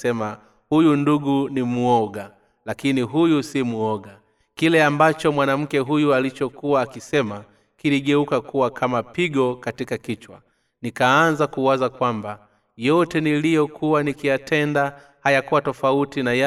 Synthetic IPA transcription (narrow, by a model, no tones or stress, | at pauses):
ɛma | hujunduɡunimuɔɡa | lakiniɦujusimuɔɡa | kilɛambat͡ʃɔmwanam̩kɛɦujualit͡ʃɔkuwaːkisɛma | kiliɠɛukakuwakʰamapiɡɔkatikakit͡ʃwa̰ | nikaanzakuwazakwamba | jɔtɛnilijɔkʰuwanikijatʰɛnda | hajakuwatɔfautinaja